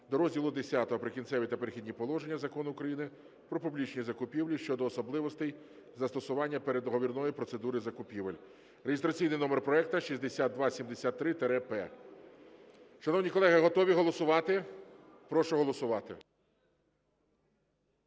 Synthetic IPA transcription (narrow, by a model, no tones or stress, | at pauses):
d̪ɔɾɔzʲdʲilˠʊd̪esʲat̪ɔɦɔpɾɪkʲint̪ɛʋʲit̪ɐpeɾexʲid̪ʲnʲipɔlˠɔʒenʲːɐzɐkɔnʊːkɾɐjinɪ | pɾɔpublʲit͡ʃnʲizɐkʊpʲiwlʲiʃt͡ʃɔd̪ɔːsɔblˠɪʋɔst̪ɛj | zɐst̪ɔsʊʋɑnʲːɐpeɾed̪ɔɦɔʋʲirnɔjipɾɔt̪se̞d̪uɾɪzɐkʊpʲiʋelʲ | ɾeɦɪst̪ɾɐt͡sʲijnɪjnɔmerpɾɔɛk̚t̪ɐʃizʲd̪esʲad̪̚d̪ʋɑsʲimd̪esʲat̪ːɾɪt̪ɛɾɛpɛ̰ | ʃɐnɔwnʲikɔlˠɛɦɪɦɔt̪ɔʋʲiɦɔlˠɔsʊʋɑt̪ɪ | pɾɔʃʊɦɔlˠɔsʊʋɑt̪ɪ̰